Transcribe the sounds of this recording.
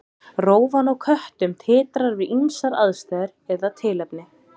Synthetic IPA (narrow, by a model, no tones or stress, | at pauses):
roːwvanawkʰœht̪ʏmt̪ʰɪːt̪ɾaɾvɪinsaɾaðst̪aːðɪɾɛðat̪ʰɪːlɛpnɪ